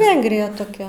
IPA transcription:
ˈʋʲɛŋɡrʲɪjɛ toːˈkʲɛ

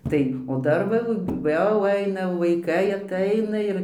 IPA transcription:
ˈtɐɪ oː ˈdɐr ʋɐ jɛʊ ˈɐɪnɐ ʋɐɪˈkɐɪ ɐtˈɐɪnɐ ɪr

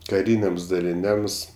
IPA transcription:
kɐˈrʲiːnʲɛms dɐlʲɪˈnʲɛms

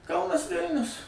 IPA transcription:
ˈkɐʊnɐs ˈʋʲɪlʲnʲʊs

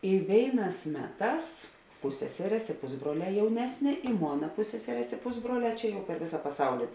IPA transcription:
ɪ ˈʋʲeːɪˌnɑːs ˈmʲæːˌtɑːs ˈpʊsʲsʲɛsʲɛrʲeːs ɪ ˈpʊzbruɔˌlʲɛː ˈjɛʊnʲɛsʲˌnʲeː ɪ ˈmoːnɐ ˈpʊsʲsʲɛsʲɛrʲeːs ɪ ˈpʊzbruɔˌlʲɛː ˈt͡ʃʲɛ jɛʊ pʲɛr ˈʋʲeːsɐ pɐˈsɐʊlʲɪ

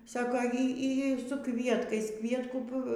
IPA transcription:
ˈsɑːkoː ˈiː ˈiː sʊ ˈkʋʲiɛtkɐɪs ˈkʋʲiɛtkuː

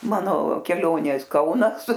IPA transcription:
ˈmɑːnoː kʲɛˈlʲoːnʲeːs ˈkɐʊnɐs

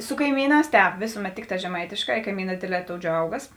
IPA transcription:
sʊ kɐɪˈmʲiːˌnɑːs ˈtʲɛːp ˈʋʲeːsʊˌmʲɛt ˈtʲɪkˌtɑː ʒʲɛˈmɐɪtʲeːˌʃkɑː ɪ kɐɪˈmʲiːnɑː ˈdʲeːdʲˌlʲɛː ˈtoːʊ ˈd͡ʒʲɛʊɡɐs

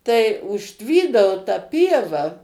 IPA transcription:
tɐɪ ʊʃʲˈtʲʋʲiːdɐʋoː tɐ ˈpʲiɛʋɐ

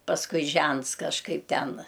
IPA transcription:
pɐsˈkʊɪ ˈʒʲɛnts kɐʃˈkɐɪp ˈtʲɛn

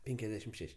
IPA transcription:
ˈpʲɛŋʲkʲɛzʲdʲɛʃʲɪm ˈʃʲɛʃʲ

